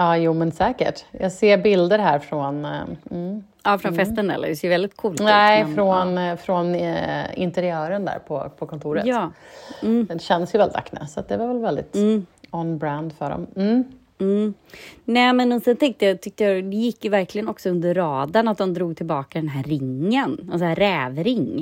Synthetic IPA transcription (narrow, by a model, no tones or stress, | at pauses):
ɑːjuːmɛnsɛːkə̰ʈjɑːɡseːɾbɪld̪əɾɦæːɾfɾɔn̩ | ɑːfɾɔnfɛst̪ənɛ̰lːə̰sɛjvɛld̪ɪt̪̚kʰuːlnɛfɾɔnfɾɔnɪ̰nt̪ɛɾɪœːɾənd̪æ̰ːɾpʰɔ̰pʰɔkʰɔnt̪ʰuːɾə̰jɑːm̩ːɛɕɛnd̪əsjəvɛldɪt̪ʰa̰kːna̰sat̪̚d̪ɛvaɾvɛlvɛld̪ɪ̰t̪ːɔnbɾænd̪fœ̰ɖɔ̰mm̩ː | m̩ː | nɛːmɛnɔsɛnt̪ʰɛŋk̚t̪əjat̪ʰʏk̚t̪əjad̪ɛjɪkːjɵvæɾklɪɡənɔksɔɵnd̪əɾːɑːd̪anat̪̚d̪ɔmd̪ɾuːɡ̚t̪ʰɪlbɑːkad̪ɛnɦæɾɪŋːənasɾɛːvɾɪŋ